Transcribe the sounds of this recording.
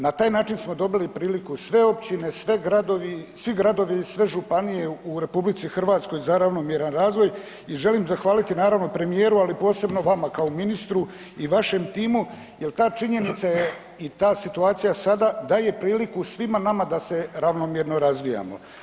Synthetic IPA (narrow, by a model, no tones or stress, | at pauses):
nat̪aːjnaːt͡ʃinsmo̞d̪o̞bilipɾiːlikusʋe̞o̞pt͡ɕine̞sʋe̞ɡɾad̪o̞ʋisʋiɡɾad̪o̞ʋisʋe̞ʒupanije̞uɾe̞publit̪sixr̩ʋaːt̪sko̞jzaɾaʋno̞mjeɾanɾaːzʋo̞j | iʒe̞limzaxʋaːlit̪inaːɾaʋno̞pɾe̞mije̞ːɾualipo̞ːse̞bno̞ʋamakaominist̪ɾu | iʋaʃe̞mt̪iːmu | je̞lt̪aːt͡ʃiɲe̞nit̪saje | it̪aːsit̪uaːt̪sijasad̪ad̪aje̞pɾiːlikusʋimanamad̪ase̞ɾaʋno̞mjeɾnoɾazʋija̰mo̞̰